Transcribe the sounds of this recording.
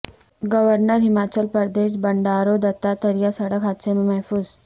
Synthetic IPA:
ɡəʋəɾnəɾɦimat͡ɕəlpəɾd̪eːʃ̬bəɳɖaːɾod̪ɐt̪at̪əɾijasəɽəkɦat̪sememɛɦfuːz

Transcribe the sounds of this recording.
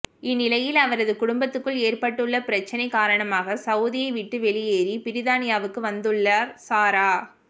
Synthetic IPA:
ɪnːɪlɐjɪlɐʋɐɾɐðɯkʊɽʊmbɐt̪ːɯkːɯɭeːɾpɐʈːɯɭːɐpɪɾɐt͡ʃːɐnɐɪkaːɾɐɳɐmaːɣɐsɐʊðɪjɐɪʋɪʈːɯʋɛɭɪjeːɾipɪɾɪðaːnɪjaːʋɯkːɯʋɐnd̪ɯɭːaːɾsaːɾaː

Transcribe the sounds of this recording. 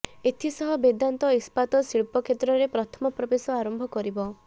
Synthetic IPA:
et̪ʰisɔɦɔbed̪ant̪ɔispat̪ɔsiɭpɔkʰet̪ɾɔɾepɾɔt̪ʰɔmɔpɾɔbesɔaɾɔmbʱɔkɔɾibɔ

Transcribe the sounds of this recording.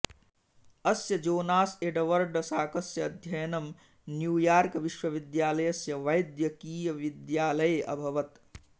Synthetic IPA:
ɐsjɐd͡ʒoːnaːseɖɐʋɐɾɖɐsaːkɐsjɐːd̪ʱjɐjnɐm | njuːjaːɾkʋiʃʋɐʋid̪jaːlɐjɐsjɐʋɐjd̪jɐkiːjɐʋid̪jaːlɐjʔɐ̰bʱɐʋɐt̪

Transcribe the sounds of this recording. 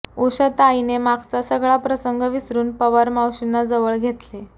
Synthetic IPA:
uɕət̪ainemakʰt͡sasəɡɭapɾəsəŋɡəʋisɾuːnpəʋəɾmawɕinːad͡zəʋəɭɡʱet̪le

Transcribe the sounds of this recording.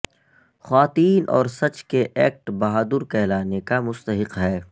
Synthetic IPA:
xwaːt̪iːnʔɔ̰ːɾsɐt͡ʃkeʔɛːk̚ʈbɐɦaːd̪ʊɾkɛɦlaːnekamʊst̪əɦɪqɦɛː

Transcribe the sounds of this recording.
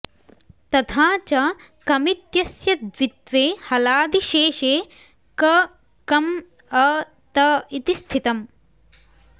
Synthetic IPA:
t̪ɐt̪ʰaːt͡ʃɐ | kɐmit̪jɐsjɐd̪ʋit̪ʋeːhɐlaːd̪iʃeːʃeː | kɐ | kɐm | ɐ | t̪ɐit̪ist̪ʰit̪ɐm

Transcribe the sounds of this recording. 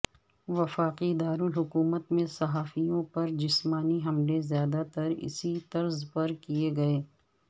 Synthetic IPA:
ʋɐfaːqid̪aːɾʊlɦʊkuːmət̪mẽsɐɦaːfijõpɐɾd͡ʒɪsmaːniɦɐmlezjaːd̪at̪ɐɾɪ̰sit̪ɐɾzpɐɾkieɡɐeː

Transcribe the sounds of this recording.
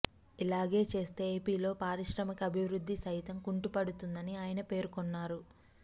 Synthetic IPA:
ilaːɡe̞ːt͡ʃe̞ːst̪e̞ːeːpiːlo̞ːpaːɾiʃɾɐmɐkɐɐbʱiʋɾud̪ʱːisɐjit̪ɐmkuɳʈupɐɽut̪und̪ɐniaːjɐnɐpe̞ːɾukɔnːaːɾu

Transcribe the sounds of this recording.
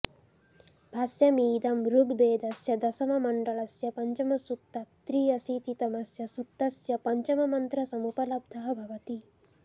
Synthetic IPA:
bʱɐsjɐmiːd̪ɐmɾuɡbeːd̪ɐsjɐd̪ɐsɐmɐmɐɳɖɐɭɐsjɐpɐɲt͡ʃɐmɐsut̪ːɐt̪ɾiːɐsit̪it̪ɐmɐsjɐsut̪ːɐsjɐpɐɲt͡ʃɐmɐmɐnt̪ɾɐsɐmupɐlɐb̚d̪ʱɐɦɐ̆bʱɐʋɐt̪i

